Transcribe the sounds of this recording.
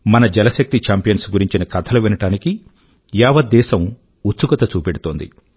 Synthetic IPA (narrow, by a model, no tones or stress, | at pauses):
mɐnɐd͡ʒɛlɐʃɐk̚t̪it͡ʃaːmpijɐnsɡuɾiɲt͡ʃinɐkɐt̪ʰɐluʋinɐʈaːniki | jaːʋɐd̪ːɛːsɐm | utsukɐt̪ɐt͡ʃuːpeɽut̪oːnd̪ḭ